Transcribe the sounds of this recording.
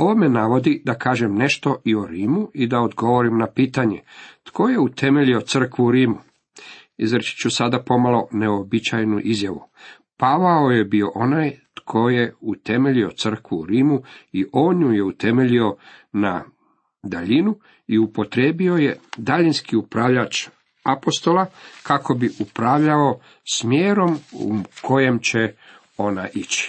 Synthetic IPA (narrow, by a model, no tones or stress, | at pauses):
o̞ʋome̞naʋo̞d̪id̪akaːʒemne̞ʃt̪o̞ʔio̞ɾiːmuʔid̪aod̪ɡo̞ʋo̞ɾimnapiːt̪aɲe̞t̪ko̞je̞ut̪ʰe̞meʎio̞t̪sr̩kʋuuɾiːmu | izɾt͡ʃi̥t͡ɕusad̪apo̞malo̞ne̞obit͡ɕajnuʔizjaʋṵ | paʋao̞je̞bio̞ʔo̞najt̪kʰo̞jeut̪e̞me̞ʎio̞t̪sr̩kʋuuɾiːmuiʔo̞ːɲujeut̪e̞meʎio̞na | d̪aʎinu | iupo̞t̪ɾe̞ːbio̞je̞d̪aʎinskiupɾaʋʎat͡ʃ | apo̞st̪o̞lakako̞biʔupɾaʋʎao | smjeːɾo̞mṵkʰo̞je̞mt͡ɕe | o̞naʔit͡ɕi̥